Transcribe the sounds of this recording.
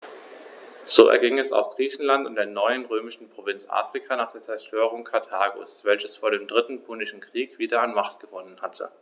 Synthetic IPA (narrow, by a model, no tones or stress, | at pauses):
z̥oːɛ̰ɐɡɪŋɛsa̰ʊfɡ̥ʁiːçn̩lantʊntd̥eːɐnɔʏənʁøːmɪʃn̩pʁ̥ovɪnt͡sʔa̰ːfʁ̥ɪkʰanaːχd̥eːɐt͡sɛɐʃtøːʁ̞ʊŋkʰaɐtʰaːɡʊ̰sv̥ɛlçəsfoːɐɾeːmdʁɪtn̩pʰunɪʃn̩kʁ̥iːkv̥iːdɐanmaχtɡ̥əvɔnənhatʰə̰